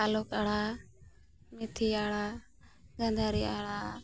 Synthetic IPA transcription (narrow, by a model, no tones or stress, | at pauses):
aːlʊkaːɽaː | mɪt̪ʰiːaːɭaː | zənd̪ʱaːɾiːaːɭaː